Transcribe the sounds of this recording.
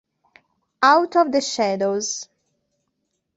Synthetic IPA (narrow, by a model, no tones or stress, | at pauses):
awt̪ɔvd̪əʃɛdoz̥